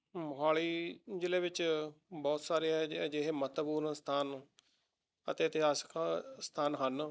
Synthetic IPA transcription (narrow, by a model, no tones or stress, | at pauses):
mʊɦaːɭiːd͡ʒɪleːʋɪt͡ʃbɔːt̪saːɾeːɦɛd͡ʒeːɦeːmət̪buːɾst̪ʰaːn | ət̪eːt̪eaːskast̪ʰaːnɦən